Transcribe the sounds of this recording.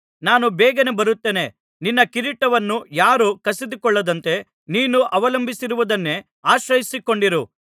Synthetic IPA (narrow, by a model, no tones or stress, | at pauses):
naːnubɛːɡɐnebɐɾut̪ːe̞ːne̞ | ninːɐkiɾiʈːɐʋɐnːujaːɾukɐsid̪ukɔɭːɐd̪ɐnt̪e̞ | niːnuʔɐʋɐlɐmbʱisiɾuʋud̪ɐnːe̞ | aːʃɾɐjisiko̞ɳɖiɾu